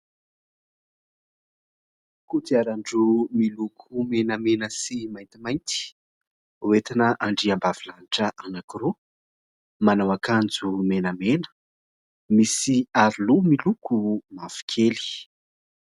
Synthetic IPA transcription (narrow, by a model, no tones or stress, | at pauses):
kut̪iaɾaɳɖ͡ʐumilukʰumenamenəsimajnt̪imajnt̪i̥ | uwet̪inəʔaɳɖ͡ʐiambavilaniʈ͡ʂəʔanakiro | manawakand͡zumenamenə̥ | misiaɾilumilukumafi̥kʰeli̥